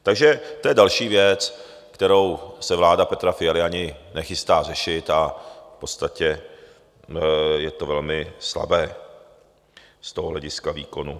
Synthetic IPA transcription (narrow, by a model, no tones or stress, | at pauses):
t̪aɡʒɛt̪ojɛdalʃiːvjɛt͡s | kt̪ɛɾo̞wsɛvlaːdapɛt̪ɾafɪjalɪaɲɪnɛxɪst̪aːr̝ɛʃɪt̪afpo̞t͡st̪acɛ | jɛt̪o̞vɛlmɪsla̰bɛː | st̪oɦoɦlɛɟɪskavḭːko̞nu